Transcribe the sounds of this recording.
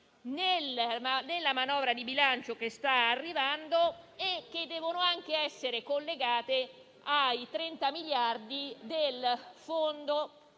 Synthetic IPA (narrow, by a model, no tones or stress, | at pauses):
nelnelːamanɔːvɾad̪ibilant͡ʃokest̪aarːivand̪oekːed̪ːɛːvonoaŋk̟eɛsːeɾekolːeɡaːt̪e | ajt̪ɾɛnt̪amiljard̪id̪elfond̪o